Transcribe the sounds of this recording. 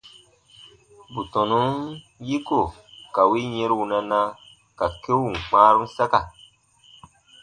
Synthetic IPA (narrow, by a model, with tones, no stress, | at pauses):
bu˨tɔ̃˨nu˦n | ji˦ko˨ | ka˨wi˦ɲe˦ɾwu˨na˧na˦ | ka˨ke˦wu˨k͡paː˦ɾu˦n˦sa˦ka˨